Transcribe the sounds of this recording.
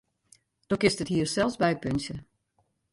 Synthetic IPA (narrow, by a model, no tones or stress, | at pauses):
d̥ɔkɪstəthiərsɛlˠsbɛjpønsjə